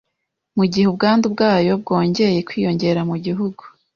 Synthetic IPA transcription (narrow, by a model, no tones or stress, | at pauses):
muɟihub̚ɡaːndubɡaːjo̞b̚ɡo̞ːɲɟe̞je̞kwiːjo̞ɲɟe̞ɾamuɟiɦuɡu